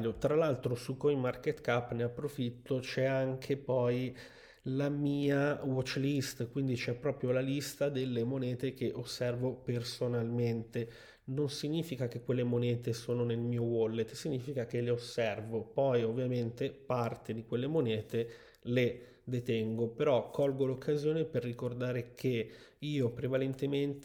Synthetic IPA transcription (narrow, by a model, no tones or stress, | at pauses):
ʎːot̪ɾalalt̪ɾosukːojmarket̪kapːneapːɾofit̪ːot͡ʃɛaŋkʰepɔj | lamiːawɔt͡ʃːlist̪kwind̪it͡ʃɛpːɾɔːpɾjolalist̪ad̪elːemonɛːt̪ek̟eʔosːɛrvopersonalment̪e | nonsiɲːiːfikak̟ekːwelːemonɛːt̪esoːnonelmiːowɔlːet̪ːsiɲːiːfikakeleosːɛrvopɔjovːjament̪epart̪ed̪ikwelːemonɛːt̪e | le | d̪et̪ɛŋɡopeɾɔkʰːɔlɡolokʰːazjoːneperːikord̪aːɾekʰeiːopɾevalent̪ement̪